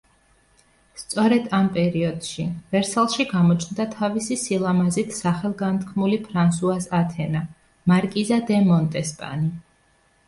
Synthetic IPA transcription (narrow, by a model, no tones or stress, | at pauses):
st̪sʼɔɾɛd̪ampʼɛɾiɔd̪̥ʃivɛɾsɛlˠʃiɡamɔt͡ʃʰnd̪at̪ʰavisisilˠamazit̪ʰsaχɛlˠɡant̪ʰkʰmulipʰɾansuasat̪ʰɛna | maɾkʼizad̪ɛmɔnt̪ʼɛspʼa̰ni